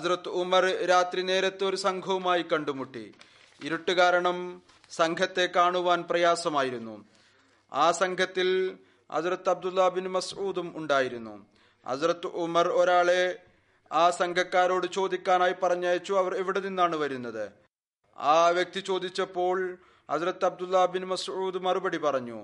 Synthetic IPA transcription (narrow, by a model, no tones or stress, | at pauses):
hɐzrɐt̪ːɨumɐrɾaːt̪rine̞ːɾɐt̪ːeo̞ɾusɐŋɡʱɐʋumaːjikɐɳɖumuʈːḭ | iɾuʈːuɣaːɾɐɳɐm | sɐŋkʰɐt̪ːe̞kaːɳuʋaːnprɐjaːsɐmaːjiɾunːṵ | aːsɐŋkʰɐt̪ːil | hɐ̰zrɐt̪ːɐb̚d̪ulːabinɨmɐsʔuːd̪umuɳɖaːjiɾunːṵ | hɐ̰zrɐt̪ːʔumɐro̞ɾaːɭe̞ | aːsɐŋkʰɐkːaːɾo̞ːɽɨt͡ɕo̞ːd̪ikʲːaːnaːjipɐrɐɲːaːjɐt͡ɕːuɐʋɐre̞ʋiɽeninːaːɳɨʋɐɾunːɐðɨ | aːʋjek̚t̪it͡ɕo̞ːd̪it͡ɕːɐpːo̞ːɭ | hɐzrɐt̪ːɐb̚d̪ulːɐbinumɐsuːd̪mɐrubɐɽipɐrɐɲːṵ